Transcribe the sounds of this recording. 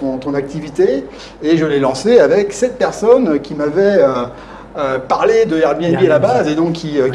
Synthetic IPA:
ɔ̃t̪ɔ̃nak̚t̪ivit̪eː | ʒəlɛlɑ̃seavɛksɛt̪̚pɛʁsɔnkʲimavɛø | øpaʁled̪əɛʁbiɛbialabazed̪ɔ̃kʰʲːiø

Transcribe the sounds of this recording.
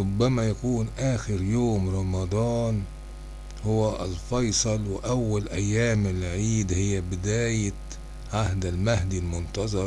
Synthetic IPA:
ɾʊbːamajakuːnʔaːxɪɾjoːmɾˤɑmɑd̪ˤɑːn | hʊwaʔalfɑjsˤɑlwɪʔawːalʔajːaːmɪlʕiːd̪hɪjːabɪd̪aːja | ʕaɦd̪almahd̪ilmʊnt̪ɑzˤɑɾˤ

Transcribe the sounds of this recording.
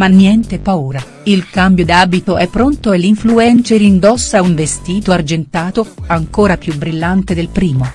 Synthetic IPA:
manːjɛnt̪epauːɾa | ilkambjod̪aːbit̪oʔɛpːɾont̪oelːiɱfluɛnt͡ʃeɾind̪ɔsːauɱvest̪iːt̪oard͡ʒent̪aːt̪oaŋkoːɾapjubɾilːant̪ed̪elpɾiːmo

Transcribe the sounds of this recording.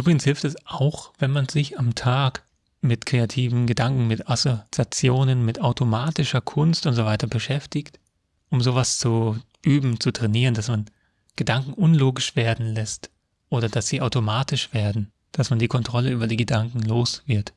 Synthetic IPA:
ʔyːbʁɪɡn̩shɪlftɛsʔaʊxv̥ɛnmanzɪçamtʰaːk | mɪtkʁ̥eatʰiːvn̩ɡədaŋkŋ̩mɪtasot͡sjat͡sjoːnənmɪtaʊtʰomaːtɪʃɐkʰʊnstʔʊntz̥ovaɪtɐbəʃɛftɪçt | ʔʊmzoːvast͡su | ʔyːbm̩t͡sutʁ̥ɛniːʁəndasman | ɡ̥ədaŋkŋ̩ʔʊnloːɡɪʃv̥eːɐdn̩lɛst | ʔoːɾɐd̥asz̥iːʔaʊtomaːtɪʃv̥eːɐdn̩ | d̥asmandiːkʰɔntʁ̥ɔləyːbɐdiːɡədaŋkŋ̩loːsv̥ɪɐt

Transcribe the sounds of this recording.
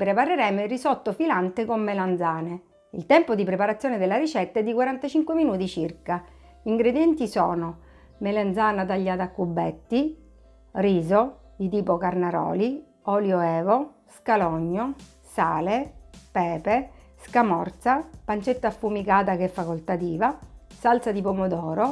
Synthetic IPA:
pɾepareɾɛːmoirːisɔt̪ːofilant̪ekomːeland̪zaːne | ḭlt̪ɛmpod̪ipɾepaɾat̪sːjoːned̪elːaɾit͡ʃɛt̪ːaɛd̪ːikwaɾant̪at͡ʃiŋkweminuːt̪it͡ʃirka | iŋɡɾed̪jɛnt̪isɔːno | meland̪zaːnat̪aʎːaːt̪akːubːɛt̪ːi | riːzod̪it̪iːpokarnaɾɔ̰ːli | ɔljoɛːvo | skalɔɲːo | saːlepɛːpe | skamɔrt̪sapant͡ʃet̪ːaːfːumikaːt̪akɛfːakolt̪at̪iːvasalt̪sad̪ipomod̪ɔːɾo

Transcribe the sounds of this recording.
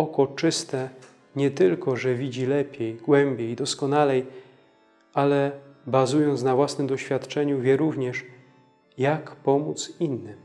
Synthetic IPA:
ɔkɔt͡ʂɘst̪ɛ | ɲɛt̪ɘlkɔʐɛvʲid͡ʑilɛpʲjɛjɡwɛmbʲjejd̪ɔskɔnalɛj | alɛbazujɔnt̪snavwasnɘmd̪ɔɕfʲjat̪t͡ʂɛɲuvʲjɛɾuvɲɛʂ | jakpɔmut̪sinːɘm

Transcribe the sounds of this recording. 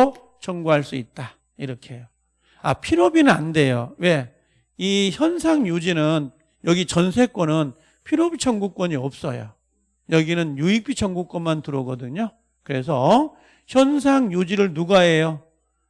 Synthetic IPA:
o | t͡ɕʌŋɡuɦaɭs͈uit̚t͈a | iɾʌkʰejo | a̰pʰiɾobinɯnande̞jo̰we̞ | içjʌns̬ʰaŋjud͡ʑinɯn | jʌɡit͡ɕʌnsʰe̞k͈wʌnɯn | pʰiɾobit͡ɕʰʌŋɡuk͈wʌɲiʌp̚s͈ʌ̰jo̰ | jʌɡinɯnjuik̚p͈ʰit͡ɕʰʌŋɡuk͈̚wʌnmantɯɾʌɡʌdɯɲo | kɯɾe̞s̬ʰʌ | çjʌnsʰaŋjud͡ʑiɾɯɭnuɡaejo

